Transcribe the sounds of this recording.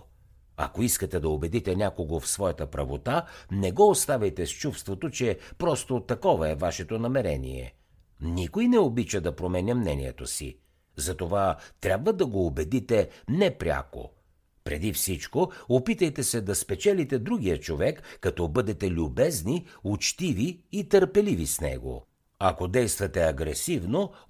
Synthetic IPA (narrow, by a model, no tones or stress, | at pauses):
ɐ̰koiskət̪ɛd̪ɐobɛd̪it̪ɛnʲakoɡofsvɔjɐt̪əpɾɐvot̪anɛɡɔost̪avʲɐjt̪ɛst͡ʃufst̪vot̪ot͡ʃɛpɾɔst̪ot̪ɐkɔvɐɛvaʃɛt̪onɐmɛɾɛ̰nḭɛ̰ | nikojnɛobit͡ʃəd̪ɐpɾomɛnʲɐmnɛniɛ̰t̪osḭ | zɐt̪ovat̪ɾʲabvɐd̪ɐɡoːbɛd̪it̪ɛnɛpɾʲa̰ko̰ | pɾɛ̰d̪ifsit͡ʃkoopit̪əjt̪ɛsɛd̪ɐspɛt͡ʃɛlit̪ɛd̪ɾuɡ̟ijət͡ʃovɛkːɐt̪ɔbɤd̪ɛt̪ɛlʲʊbɛzniut͡ʃt̪iviːt̪əɾpɛlivisnɛ̰ɡo̰ | ɐkod̪ɛjst̪vɐt̪ɛɐɡɾɛsivno